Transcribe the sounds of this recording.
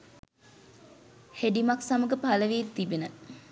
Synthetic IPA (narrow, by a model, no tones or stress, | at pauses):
heɖimaksaməɡəpaləʋiːt̪ːibenə